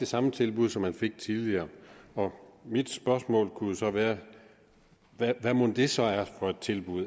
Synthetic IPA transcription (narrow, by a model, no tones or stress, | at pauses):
d̥e̝sɑ̈mət͡sʰe̝lb̥uð̞ˠsɒ̽mːænfe̝ɡ̥̚t͡sʰið̞ˠliɐːɒ̽mid̥sb̥ɶɐsmɔ̰̽ːlkʰuosɒ̽ʋæːɐ | ʋæʋæmond̥e̝sɒ̽æɐfɒ̽e̝d̥̚t͡sʰe̝lb̥uð̰ˠ